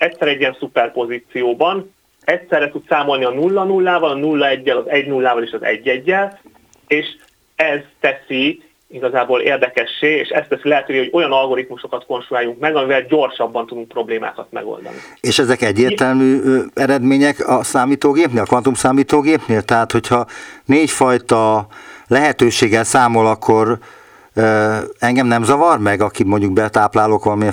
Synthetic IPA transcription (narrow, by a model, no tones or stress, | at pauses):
ɛcsɛɾɛɟiɛnsupɛrpo̞ziːt̪sijoːbɒn | ɛcsɛrːɛt̪ut̪saːmo̞lniɒnulːɒnulːaːvɒlɒnulːɒɛɟːɛlɒzɛɟnulːaːvɒleːʃɒzɛ̰ɟːɛɟːɛl | eːʃ | ɛzt̪ɛsi | iɡɒzaːboːlḛːrd̪ɛkɛʃːeːḛːʃɛ̰st̪ɛsilɛɦɛt̪øːveːɦo̞ɟo̞jɒnɒlɡo̞ɾit̪muʃo̞kɒt̪ko̞nʃujaːjuŋkmɛɡɒmivɛlɟo̞rʃɒbːɒnt̪ud̪uŋk̚pro̞bleːma̰ːkɒt̪mɛ̰ɡo̰ld̪ɒ̰nḭeːʃɛzɛkɛɟːeːrt̪ɛlmyːɛɾɛd̪meːɲɛkɒsaːmiːt̪oːɡeːpneːlɒkʋɒnt̪umsaːmiːt̪oːɡeːpneːlt̪ɛɦaːt̪ho̞chɒneːcfɒjt̪ɒlɛɦɛt̪øːʃeːɡɛlsaːmo̞lɒkʰːo̞r | ɛŋɡɛmnɛmzɒvɒrmɛɡɒkimo̞ɲɟuɡ̚bɛt̪aːplaːloːkʋɒlɒme